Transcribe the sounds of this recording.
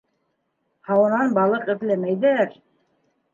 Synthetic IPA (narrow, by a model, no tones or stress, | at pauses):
hɑwɤ̆nɑnbɑlˠɤqɘ̆ðlæmæjðæɾ